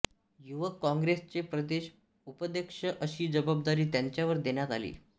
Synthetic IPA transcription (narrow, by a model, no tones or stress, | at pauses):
juʋəkːɔ̃ŋɡɾest͡sepɾəd̪eɕ | upəd̪ekʂəʔəɕiːd͡zəbab̚d̪aɾiːt̪jaɲt͡ɕjaʋəɾd̪eɳjat̪a̰lḭː